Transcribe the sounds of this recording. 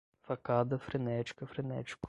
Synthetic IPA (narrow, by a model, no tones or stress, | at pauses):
fɐkad̪ɐfɾɪnɛt͡ʃkəfɾɪnɛ̰t͡ʃk